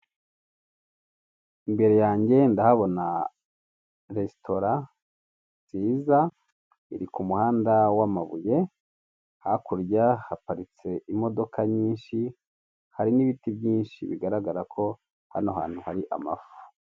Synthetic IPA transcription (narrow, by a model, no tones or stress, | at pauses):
imbe̞ɾe̞jaːɲɟe̞ndahaβo̞na | ɾesto̞ɾa | t͡siːza | iɾikumuhaːndawamaβuje̞ | hakuɾjahapaɾit͡se̞imo̞do̞kʰaɲiːnʃi | haɾiniβitibjiːnʃḭβḭɡaɾaɡaɾakʰo̞ | ha̰noɦa̰ːn̥huhaɾiʔa̰ma̰fu̥